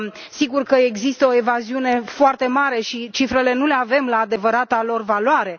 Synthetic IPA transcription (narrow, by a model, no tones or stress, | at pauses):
siɡurkəe̞ɡzist̪əo̞e̞vaziune̞foart̪e̞maɾe̞ʃit͡ʃifɾe̞le̞nule̞ave̞mlaːd̪e̞vəɾat̪alo̞rvalwaɾe̞